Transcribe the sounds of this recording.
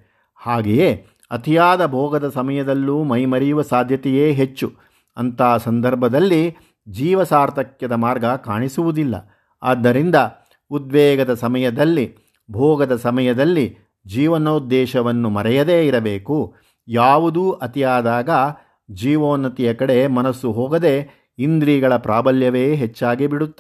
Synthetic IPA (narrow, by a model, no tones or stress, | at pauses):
haːɡeje | ɐt̪ijaːd̪ɐbʱɔːɡɐd̪ɐsɐmɐjɐd̪ɐlːuːmɐjmɐɾɛjuʋɐsaːd̪ʱjɐt̪ɛjeːɦet͡ʃːu | ɐnt̪aːsɐnd̪ɐɾbʱɐd̪ɐlːi | d͡ʒiːʋɐsaːɾt̪ɐkjɐd̪ɐmaːɾɡɐkaːɳisuʋud̪ilːɐ̰ | a̰ːd̪ːɐɾind̪ɐ | ud̪̚ʋɛːɡɐd̪ɐsɐmɐjɐd̪ɐlːi | bʱɔːɡɐd̪ɐsɐmɐjɐd̪ɐlːi | d͡ʒiːʋɐnɐud̪ːɛːʃɐʋɐnːumɐɾɛjɐd̪eːiɾɐbe̞ːku | jaːʋud̪uːʔɐt̪ijaːd̪aːɡɐ | d͡ʒiːʋoːnɐt̪ijɐkɐɽe̞mɐnɐsːuɦɔːɡɐd̪e̞ | ind̪ɾiːɡɐɭɐpɾaːbɐljɐʋe̞ːɦɛt͡ʃːaːɡibiɽut̪ː